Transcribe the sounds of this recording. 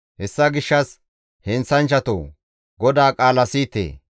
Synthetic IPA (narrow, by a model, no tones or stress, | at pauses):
hɛsːɐɡɪʃːɐs | hɛnsɐnt͡ʃːɐt̪o̰ː | ɡɔd̪aːkʼaːlɐsiːt̪ḛː